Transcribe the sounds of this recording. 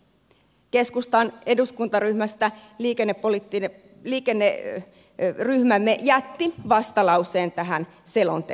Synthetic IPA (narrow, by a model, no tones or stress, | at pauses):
ke̞skust̪ɑne̞duskunt̪ɑryhmæst̪æliːkenːepːolit̪ːine | liːkenːe | ryhmæmːejæt̪ːiʋɑst̪ɑlɑuse̞ːnt̪æɦæn | selo̰nt̪e